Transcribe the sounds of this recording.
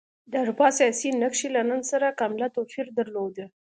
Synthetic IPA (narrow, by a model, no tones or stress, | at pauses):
d̪aɾbɑsijɑsinəkʃilanənsaɾakamlat̪ofiɾd̪əɾlod̪ə